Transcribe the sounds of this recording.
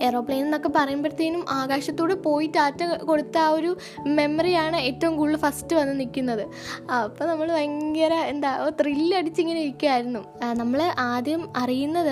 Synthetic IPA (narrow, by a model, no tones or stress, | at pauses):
e̞ro̞ːpːɭeːneno̞kːe̞pɐrɐjumbɐɾt̪ːijinumʔaːɡaːɕɐt̪ːuːɽepo̞ːjitːaːtːɐko̞ɽut̪ːao̞ɾu | me̞mɐrijaːɳɨeːtːɐʋumɡuːɭːɨfɐstɨʋɐnːɨnikʲːunːɐðɨ | ɐpːoːnɐmːɐɭʋɐŋɡɐɾɐend̪aːot̪rilːɐɽit͡ɕːeŋːɐneoikʲːujaːjiɾunːu | nɐmːɐɭeʔaːd̪jɐmɐrijunːɐðɨ